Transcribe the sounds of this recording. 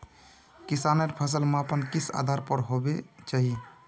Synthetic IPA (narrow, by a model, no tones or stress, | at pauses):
kisaneɾpʰəs̬əlmeəpənkisa̰d̪ʱaɾpəɾɦobet͡ʃaɦi